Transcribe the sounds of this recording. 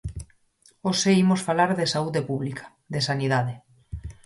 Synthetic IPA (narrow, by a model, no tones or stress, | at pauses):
oseimosfalaɾðesauðepuβlikʰḁ | ðesaniðaðe